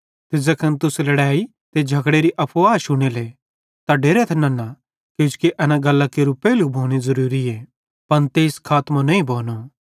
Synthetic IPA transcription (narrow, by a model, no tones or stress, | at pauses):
t̪ɪzɐkʰɐnt̪ʊslɐɽaːi | t̪ed͡ʒʱɐkɽeɾiʔɐpʰʋaːʃʊɽ̃ele | t̪aɖeːɾɛt̪ʰɛnɐna | ked͡ʒkiʔɛːnaɡɐlːakeɾupɛːlubʱoːɽ̃izɐɾuːɾiɛː | pɐnt̪eːskʰaːt̪mãnɐĩbʱoːno